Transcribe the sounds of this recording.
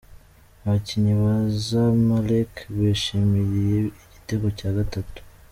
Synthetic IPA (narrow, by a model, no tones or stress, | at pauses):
βaciɲiβazamalekβeʃimiɾije̞iɟiteɡocaːɡatatu̥